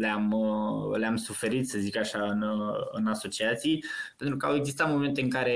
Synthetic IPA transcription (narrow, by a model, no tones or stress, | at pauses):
leaməleamsufe̞ɾit̪səzikəaʃaɨnɨ̰naso̞t͡ʃiat̪sijpe̞nt̪ɾukəaweɡzist̪at̪mo̞me̞nt̪e̞ɨŋkaɾe̞